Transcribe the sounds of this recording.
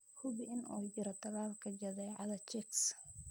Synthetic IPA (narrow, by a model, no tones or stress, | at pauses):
hʊβɪɪnʔuːd͡ʒɪɾɐt̪ʰɐlaːlkʰɐd͡ʒɐðɛːʕɑ̰ðɐt͡ʃɪks